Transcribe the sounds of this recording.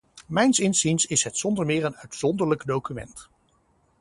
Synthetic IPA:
mɛjnsɪnsinsɪsɦɛtsɔndəɹmɪːɹənœɥtsɔndəɹləkdowkymɛ̰nt

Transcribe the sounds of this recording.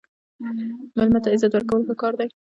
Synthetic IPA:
malmat̪aɪzat̪waɾkawəlpakɑɾd̪aj

